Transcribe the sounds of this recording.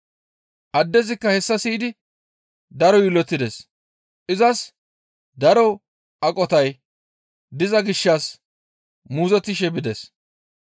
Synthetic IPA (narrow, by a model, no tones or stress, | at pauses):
ʔɐd̪ːɛzɪkːɐhɛsːɐsiːd̪ɪ | d̪ɐɾɔjɪlɔt̪ːɪd̪es | ʔɪzɐs | d̪ɐɾɔ | ʔɐkʼɔt̪ɐj | d̪ɪzɐɡɪʃːɐs | muːzɔt̪ːɪʃɛbɪd̪ɛs